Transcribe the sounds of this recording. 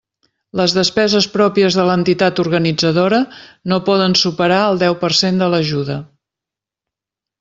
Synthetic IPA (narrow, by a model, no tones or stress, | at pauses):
ləzðəspɛzəspɾɔpiəzðələnt̪it̪at̪uɾɣənid͡zəðoɾənopɔðənsupəɾaəlˠd̪ɛwpərsend̪ələʒuðə